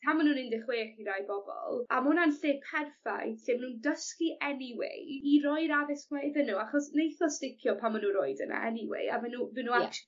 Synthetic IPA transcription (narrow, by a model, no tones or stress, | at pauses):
tʰamanuːnɪndɪχweːχiɾajbɔbɔ̰lˠamʊnanɬeːpʰɛrfa̰jɬeːmanuːndəskiʔɛniwḛjiɾɔjɾavɪskwɛjðənuaχɔsnejθɔstɪkʰjɔpʰamːanuɾroɨdə̰na̰ɛ̰niwḛɨa̰vɛnuvɪnua